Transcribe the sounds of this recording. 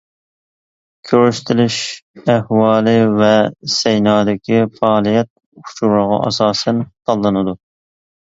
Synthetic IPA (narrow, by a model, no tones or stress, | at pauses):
kʲʰøɾyʃt̪ʰɪlɪʃɛhwɑːlˠɨvɛsɛjnɑːd̪ɪkʲifɑːlˠijɛt̪̚ | u̥t͡ʃʰuɾəʁɑ̰ʔɑ̰sɑːsɛnt̪ʰɑlˠːɨnɨd̪u